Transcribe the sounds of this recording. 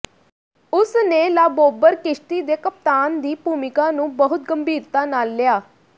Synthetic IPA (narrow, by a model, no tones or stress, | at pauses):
ʊsneːlaːboːbəɾkɪʃʈiːd̪eːkəp̚t̪aːnd̪iːpuːmɪkãːnũːbəɦʊt̪̚ɡəmbʱiːɾt̪aːnaːlːɪjaː